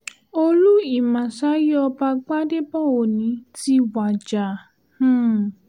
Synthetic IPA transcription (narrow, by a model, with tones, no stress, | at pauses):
o˧lu˦i˦˨mã˨sa˨˦jɔ˧ba˧ɡ͡ba˦de˦bɔ˦˨o˨nĩ˨˦ti˦wa˨d͡ʒa˨ | h̩˦˨